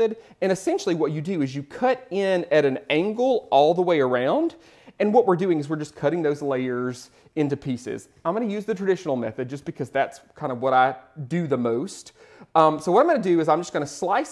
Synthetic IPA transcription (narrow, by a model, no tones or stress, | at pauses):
ɨɾ | ɨ̃ɾ̃ɨsɛ̃nʃl̩ˠiwʌt͡ʃɨdɨɨzjɨkʰʌɾɪ̃nɨɾɨ̃næ̃ŋɡl̩ˠɔlˠðəweɪə˞ãʊ̃nd | ɨ̃nwʌt̚wɪɹdʉɪ̃ŋɨzwɨɹd͡ʒʌskʰʌɾɪ̃ŋðoʊzleɪə˞z | ɪ̃ntʉpʰisɪ̰z̥ | ãɪ̃mɡʌnɨjʉzðɨtʰɹ̥ɨdɪʃn̩l̩ˠmɛ̰θɨd̚d͡ʒʌsb̥ɨkʰʌzðætskʰãɪ̃ndʌvwʌɾaɪdɨðəmoʊst | ʌ̃msoʊwʌɾãɪ̃ɡʌ̃nɨdɨɨzãɪ̃md͡ʒʌsɡ̥ʌñɨslaɪs